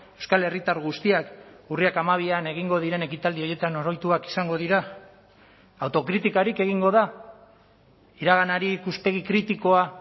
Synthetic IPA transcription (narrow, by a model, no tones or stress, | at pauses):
e̞wskale̞rit̪aɾɣust̪iakuriakamaβ̞iane̞ɣ̞iŋɡo̞ð̞iɾe̞ne̞kit̪ald̪io̞je̞t̪ano̞ɾo̞jt̪uaki̥saŋɡo̞ð̞iɾa | wt̪o̞kɾit̪ikaɾike̞ɣ̞iŋɡo̞ð̞a | iɾaɣanaɾiːkuspe̞ɣ̞ikɾit̪iko̞a